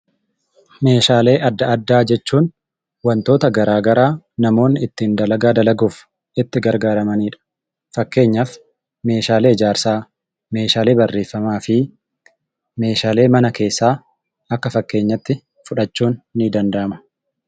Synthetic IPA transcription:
me̞ːʃaːle̞ːʔɐd̪ːɐɐd̪ːaːd͡ʒɛt͡ʃːuːn | wɐnt̪o̞ːt̪ɐɡɐɾaːɡɐɾaːnɐmo̞ːnːɪɪt̪ːiːnd̪ɐlɐɡaːd̪ɐlɐɡuːf | ɪt̪ːɪɡɐɾɡaːɾɐmɐniːᶑɐ̥ | fɐkːe̞ːɲːɐf | me̞ːʃaːleːɪd͡ʒaːɾsaː | me̞ːʃaːle̞ːbɐrːe̞ːfːɐmaːfɪ | me̞ːʃaːle̞ːmɐnɐke̞ːsːaː | ɐkːɐfɐkːe̞ːɲːɐt̪ːɪ | fʊᶑɐt͡ʃːuːnːid̪ɐnd̪ɐʔɐmɐ̥

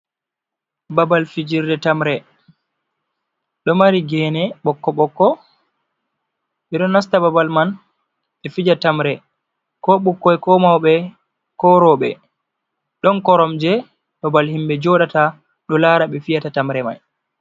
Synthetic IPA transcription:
babalfid͡ʒiɾdɛtamɾɛ | ɗɔmaɾiɡɛnɛɓɔkːɔɓɔkːɔ | ɓɛɗɔnːas̬tababalman | ɛfid͡ʒatamɾɛ | kɔɓukːɔɛkɔmawɓɛ | kɔɾɔɓɛ̰ | ɗɔnkɔɾɔmd͡ʒɛ | babalhimbɛd͡ʒɔɗata | ɗɔlaɾaɓɛfijatatamɾɛma̰j

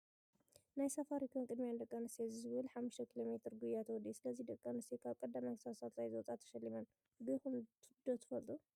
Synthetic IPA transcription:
najsɐfaɾikʰonkʼɨd̪mijand̪ɐkʼːanɨsezizɨβɨlħamːuʃt̪ʰɐkʰilo̞met̪ʰɨɾɡujat̪ʰwɔd̪isɨlɐzid̪ɐkʼːanɨsekʰaβkʼɐd̪ːamajksasalsajzɐwɔt͡sʼat̪ʰːɐ̥ʃɐlːimɐn | ɡɨxumt̪ʰɨd̪ot̪ʰɨfɐlt̪ʼu

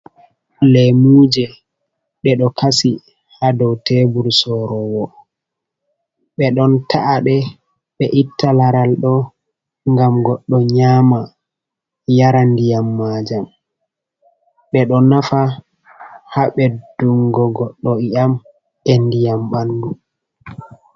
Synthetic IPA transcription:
lɛmud͡ʒɛ | ɓɛɗɔkʰasi | hadɔwtɛbuɾsɔɾɔwɔ | ɓɛɗɔntʰaʔːɗɛ | ɓɛʔitʰːalaɾalɗɔ | ŋɡamɡɔɗːɔɲaːma | jaɾandijamːad͡ʒam | ɓɛɗɔnafa | haɓɛd̥uŋɡɔɡɔɗːɔiʔam | endijamɓandu

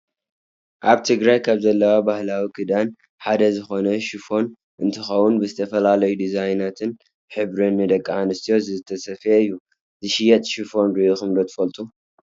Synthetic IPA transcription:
ʔaβt̪ʰɨɡɾajkʰaβzɐlːɐwabahlawikʰɨd̪an | ħad̪ɐzɨxo̞nɐʃufo̞n | ʔɨnt̪ʰɨxɐwunbɨzɨt̪ʰɐfɐlalɐjud̪izajnat̪ʰɨn | ħɨβɾɨnːɨd̪ɐkʼːaʕanɨst̪ʰijo̞zɨzɨt̪ʰːɐsɐfeɨjːu | zɨʃɪjɛt̪ʼʃufo̞nɾioxɨmd̪o̞t̪ʰɨfɐlt̪ʼu

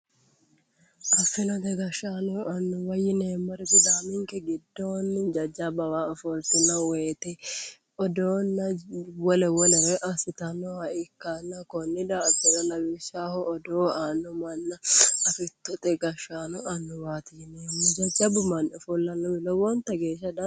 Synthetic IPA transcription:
ʔɐfːɪnɔt̪ɛɡɐʃaːnʊɐnːʊwɐjɪneːmːɐɾɛt̪ɪd̪aːmɪŋkɛɡɪd̪ːoːnd͡ʒɐd͡ʒːɐbɐwaːɐfɔlt̪ɪnɐweːt̪ɛ | ɔd̪oːnːɐwɔlɛwɔnɛɾɛʔɐsɪt̪ɐnɔhɐʔɪkːanːɐkɔnːɪd̪abɛnɐlɐwɪʃaːhɔʔɔd̪oːaːnːʊmɐnːɐɐfɪt̪ːɔt̪ʼɛɡɐʃaːnʊʔɐnːʊwaːt̪ɪɪneːmːʊd͡ʒɐd͡ʒɐbʊmɐnɐfɔlːɐnːɔbɪlɔwɔnt̪ɐɡeːʃːɐd̪ɐ

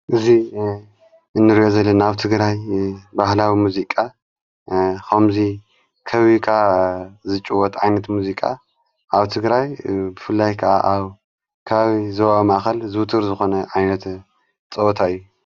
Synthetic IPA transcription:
ʔɨzi | ʔɨnːɨɾiʔo̞zɐlːɐnaβt̪ʰɨɡɾajbahlawimuzikʼa | xɐmzi | kʰɐβikʰazɨt͡ʃʼuwɔt̪ʕajnɐt̪muzikʼa̰ | ʔaβt̪ʰɨɡɾajbɨfɨlːajkʰɐʔa̰ʔaβ | kʰaβaβizɐβaβmaʔxɐlzɨwɨt̪ʰɨɾzɨxo̞nɐʕajnɐt̪ | t͡sʼɐot̪ʰaɨjːu

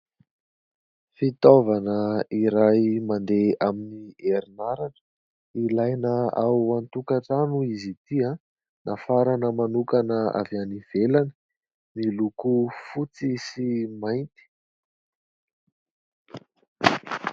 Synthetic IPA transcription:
fit̪ovanəiɾajmand̪eaminieɾinaɾanə̥ | ilajnəawant̪ukaʈ͡ʂanuizit̪ia | nʔafaɾanəmanukanəa̰vianiv̥elanə | nilukufut͡sisimajnt̪i̥

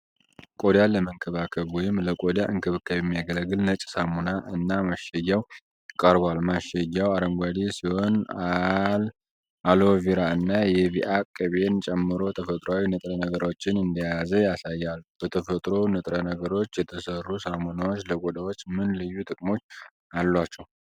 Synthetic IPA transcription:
kʼo̞d̪jaləməŋkʰəβakʰəβwɔjɪmləkʼod̪jaʔɨŋkʰɨβɨkʰːajɛmːijaɡələɡɨlnət͡ʃʼsamonaʔɨnːamaʃɛjːaw | kʼəɾbalmaʃɛjːawaɾəmɡʷad̪isiho̞nal | ʔalo̞viɾaɨnːajɛβiʔakʼːəβe̞nt͡ʃʼɛmːɨɾo̞t̪ʰəfət̪ʼɾawinɨt̪ʼɾənəɡəɾo̞t͡ʃːɪnɨnd̪əjazəjasajːalb̥ət̪ʰəfət̪ʼɾo̞nɨt̪ʼɾənəɡəɾo̞t͡ʃːjɛt̪ʰəsərːusamonawo̞t͡ʃːləkʼod̪awo̞t͡ʃːmɨnlɨjːut̪ʼɨkʼmo̞t͡ʃː | alːwat͡ʃːɛw

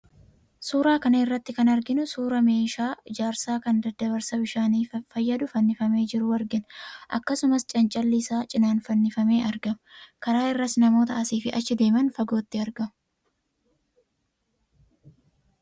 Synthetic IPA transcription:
suːɾaːkɐnɐɪrːɐt̪ːɪkɐnɐɾɡɪnʊsuːɾɐme̞ːʃaːɪd͡ʒaːɾsaːkɐnd̪ɐd̪ːɐβɐɾsɐbɪʃaːniːfɐjːɐd̪ʊfɐnːɪfɐme̞ːd͡ʒɪɾʊɐɾɡɪnʔɐ̰kːɐsʊmɐst͡ʃʼɐnt͡ʃʼɐlːɪsaːt͡ʃʼɪnaːnfɐnːɪfɐme̞ːʔɐɾɡɐmkɐɾaːɪrːɐsnɐmo̞ːt̪ɐʔɐsiːfɪʔɐt͡ʃːɪd̪e̞ːmɐnfɐɡo̞ːt̪ːɪɐɾɡɐmʊ

